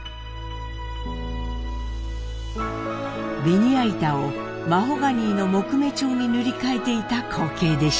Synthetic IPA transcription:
beɲ̟iait̪ao | maɦo̞ɡaɲ̟iːno̞mo̞kɯ̟me̞t͡ɕo̞ːɲ̟inɯɾʲikae̞t̪e̞it̪akʰoːke̞ːd̪e̞ɕ

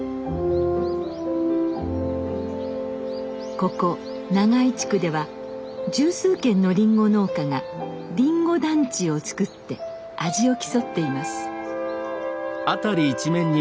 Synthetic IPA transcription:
ko̞ko̞ | naɡait͡ɕi̥kɯ̟d̪e̞βa | d͡ʑɨːsɨːkẽ̞nːo̞ɾʲĩŋɡo̞no̞ːkaŋa | ɾʲĩŋɡo̞d̪ãɲ̟t͡ɕio̞t͡sɨ̥kɯ̟t̪ːe̞ | aʑio̞kʲi̥so̞t̪ːe̞imasɨ̥ | at̪aɾʲiːt͡ɕimẽ̞ɲ̟ːi

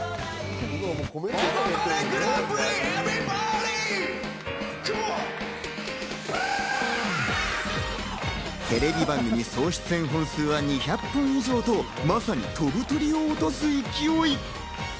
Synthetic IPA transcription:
t̪ːk | ɾekɾabɾeevibaɾi | t͡ɕo | t̪e̞ɾe̞bʲibãŋɡɯmʲiso̞ːɕi̥t͡sɨẽ̞ɰ̃ɦõ̞ɰ̃sɨːβaɲ̟içapːɯ̃ɰ̃iʑo̞ːt̪o̞ | masaɲ̟ʲḭt̪o̞bɯ̟t̪o̞ɾʲio̞ːt̪o̞sɨikʲioi

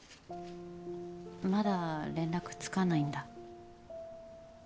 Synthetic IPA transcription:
mad̪aɾẽ̞nɾakɯ̟̥t͡sɨ̥kanaĩnd̪a

